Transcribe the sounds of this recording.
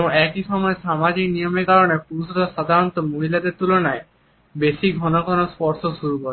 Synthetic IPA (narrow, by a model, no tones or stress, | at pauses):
boŋɛkiʃɔmɔeʃamad͡ʑiknijomekaɾonepuusɾaʃad̪ʱaɾɔnt̪omoɦilad̪eɾt̪ulonae | beʃiɡʱɔnoɡʱonospɔɾʃoʃuɾukɔɾe